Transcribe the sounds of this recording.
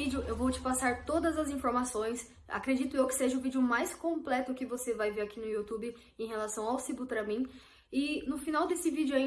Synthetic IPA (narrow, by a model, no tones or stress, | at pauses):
id͡ʒɪʊʔewvowt͡ʃɪ̥pasaɾt̪od̪ɐzɐzĩfoɾmasõj̃s | a̰kɾed͡ʒit̪ʊewkɪ̥seʒɐʊvid͡ʒɪʊmajskõmplɛt̪ʊkɪvosevajveɾakʰinʊjut̪ubɪ | ẽj̃ɦelasɐ̃w̃awsibut̪ɾɐmĩ | ɪnʊfinawd̪esɪvid͡ʒɪʊaĩ